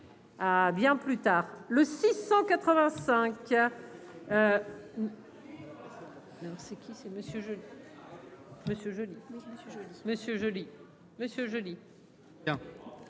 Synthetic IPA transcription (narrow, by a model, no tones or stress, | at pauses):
abjɛ̃plyt̪aːʁləsisɑ̃kat̪χəvɛ̃sɛ̃k | ø | ɔʁsɛkʲʰisɛməsjøʒəli | məsjøʒəli | məsjøʒəli | məsjøʒəli | ɛ̃